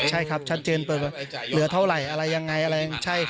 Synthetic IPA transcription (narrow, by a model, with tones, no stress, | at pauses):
t͡ɕʰa˥˩jkʰa˦˥p̚t͡ɕʰa˦˥t̪̚t͡ɕɤː˧npɤː˨˩bɛː˨˩lɯ˨˩˦ɐt̪ʰa˥˩wɾa˨˩jʔa˧ɾa˧jːa˧ŋːa˧jʔa˧ɾa˧ja˧ŋt͡ɕʰa˥˩j